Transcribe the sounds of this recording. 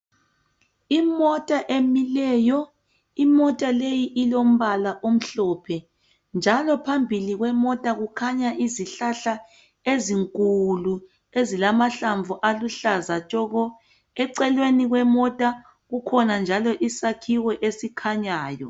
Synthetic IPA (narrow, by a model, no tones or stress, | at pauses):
imɔtʼaʔemilɛːjɔ | imɔtʼalejiʔilom̩βalaʔom̩ɬɔpʰɛ | nd͡ʒʱalɔpʰambʱiliɣwɛmɔtʼaɣukʰaɲaʔiziɬaɬa | eziŋkʼulu | ezilamaɬaɱvuʔaluɬazat͡ʃʼɔɣɔ | ɛǀɛlweniɣwɛmɔtʼa | ɣukʰɔnand͡ʒʱalɔʔisakʰiwɛʔesikʰaɲaːjɔ̰